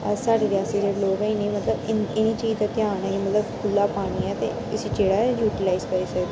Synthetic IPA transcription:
əsaːɖeːd̪ɪaːsiːd͡ʒeɽloːɡɛ̃ɪnĩːmət̪ləbɪɪniːt͡ʃiːd͡ʒt̪at̪jaːnɛːkimət̪ləbkʰʊlːaːpaːɽ̃iɛːt̪ḛː | ʊsiːt͡ʃeːɽaːɛjuːʈɪlaːɪzkəɾiːsəkd̪

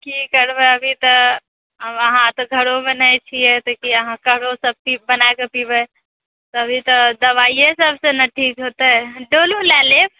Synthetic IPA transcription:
kikəɾbeəbʱit̪ə | məɦãt̪ɔɡʱəɽomenəjt͡ʃʰiɛt̪okiəɦãkəɦɽosəb̚pibənaekepibə | t̪oəbʱit̪əd̪əʋaijesəbʱsenəʈʰːikɦot̪eɦɛɖoːlũlɛlep

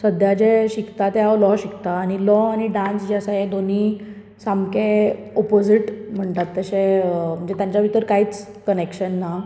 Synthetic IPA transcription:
səd̪ʱjad͡ʑeɕikt̪at̪eɦaʋəlɔɕikt̪aːñilɔañiɖãnsd͡ʑasajed̪oniː | samkeɔpod͡ziʈm̤əɳt̪at̪ːəɕem̤əɳd͡zet̪jaɲt͡ɕjaʋit̪əɾkaɦiːt͡s | kənekɕənːa

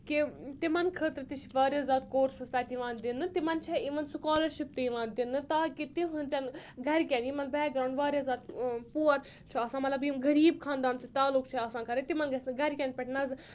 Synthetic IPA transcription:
kit̪imɐnkʰəːt̪ɾɨt̪it͡ʃʰʋaːɾʲezaːt̪̚koːɾsɨst̪aːt̪iʋãːnd̪inːɨt̪imɐnt͡ʃʰɛiʋɐnsukaːlɐɾʃip̚t̪iiʋãːnd̪inːɨt̪aːkit̪iɦunʲt͡sʲɐnɡɐɾkʲanimɐnbɛːɡɾãːɳɖʋaːɾjazaːt̪puːɐɾ | t͡ʃʰuaːsãːmɐt̪lɐbimɡɐɾiːb̚kʰãːnd̪aːnsɨt̪aːlukʰt͡ʃʰiaːsaːnkɐɾet̪imɐnɡɐsʲnɡɐɾkʲaːnʲpɛʈnɐzɨ

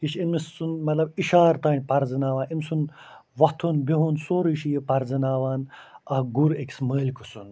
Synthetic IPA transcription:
kiʃinmisːunmɐt̪lɐbiʃaːɾt̪aːnʲpɐɾzɨnaːʋaːnimsun | ʋɐt̪ʰunbiɦunsoːɾiʃijepɐɾzɨnaːʋaːnɐɡuɾekʲsməːlʲkʰusun

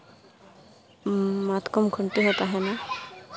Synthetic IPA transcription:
mat̪kɔmkʰɔɳʈiɦɔt̪aɦɛna

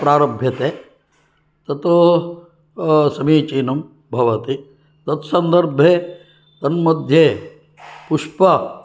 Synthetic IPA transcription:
pɾaːɾɐbʱjɐt̪eː | t̪ɐt̪u | sɐmiːt͡ʃiːnɐm | bʱɐʋɐt̪i | t̪ɐt̪sɐnd̪ɐɾbʱeː | t̪ɐnmɐd̪ʱjeː | puʂpɐ

